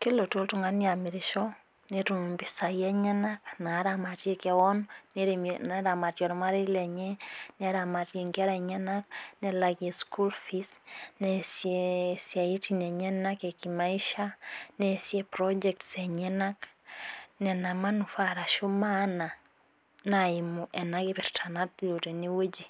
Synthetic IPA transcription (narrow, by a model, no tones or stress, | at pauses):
kilotoltuŋaniamiɾiʃɔ | neɾumbisajɛɲɛnaknaɾamatjekewɔnɔneɾneɾamatjɔɾmaɾeilɛɲɛneɾamatjeŋɡeɾaɲɛnaknelaɣeskulfisnɛsesjaitinɛɲɛnakekimaiʃanɛsjɛpɾɔd͡ʒɛk̚tsɛɲɛnak | nɛnamanufaɾaʃumana | naimuʔɛnakepɛɾtʰanatjoteniwed͡ʒi